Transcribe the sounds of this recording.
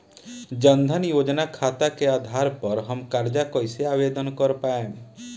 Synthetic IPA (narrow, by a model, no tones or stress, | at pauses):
d͡ʒənd̪ʱənjod͡ʒnakʰat̪akead̪ʱaɾpəɾɦəmkaɾd͡ʒakɔjseaːbed̪ənkɔɾpaẽ